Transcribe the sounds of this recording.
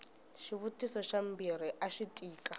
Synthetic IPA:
ʃiβutʼisɔʃam̩biɾiʔaʃitʼiːkʼa

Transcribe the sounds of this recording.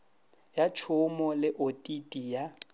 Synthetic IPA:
jat͡ʃʰʊmɔlɪʔotʼitʼija

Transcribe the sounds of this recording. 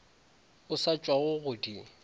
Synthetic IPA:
ʊsat͡ʃʼwaʊɣʊdi

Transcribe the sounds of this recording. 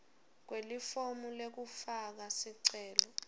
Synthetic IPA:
k̬welifomulek̬ufak̬asiǀɛːlɔ

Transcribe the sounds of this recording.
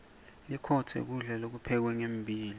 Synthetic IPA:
likʰɔtʰɛ̰k̬uɮɛlok̬upʰɛk̬wɛŋem̩bʱiːli

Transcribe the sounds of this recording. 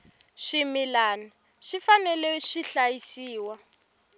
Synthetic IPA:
ʃimilaːna | ʃifanɛlɛʃiɬajisiːwa

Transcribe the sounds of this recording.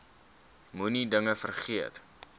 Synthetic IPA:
munidəŋəfərχiət

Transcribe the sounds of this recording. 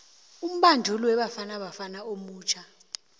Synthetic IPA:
um̩ɓandʱulwɛɓafanaɓafanaomuːt͡ʃʰa

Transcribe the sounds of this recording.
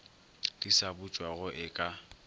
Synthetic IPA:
d̥isabʊt͡ʃʼwaɣʊʔɪkʼa

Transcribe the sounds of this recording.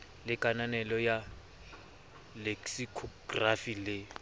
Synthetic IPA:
lɪkʼananɛlɔja | leksikʰɔɡrafilɪ

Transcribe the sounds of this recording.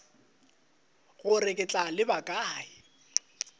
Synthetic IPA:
ɣʊrɪkʼɪt͡ɬʼalɪbakʼaːɪ

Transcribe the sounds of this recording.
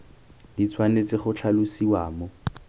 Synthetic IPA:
dit͡sʰwanet͡sɪχʊt͡ɬʰalʊsiwaːmɔ

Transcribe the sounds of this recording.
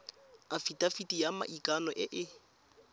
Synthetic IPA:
afitʼafitʼijama̰ʔikʼanɔʔɪʔɪ

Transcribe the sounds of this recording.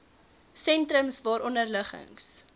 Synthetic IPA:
sɛntɾəmsvɑːɾʔɔndərləχə̰ŋs

